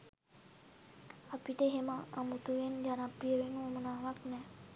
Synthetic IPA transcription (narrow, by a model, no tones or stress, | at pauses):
apiʈeɦema̰ːmut̪uʋend͡ʒanapiəɾeŋomənaːʋaknɛ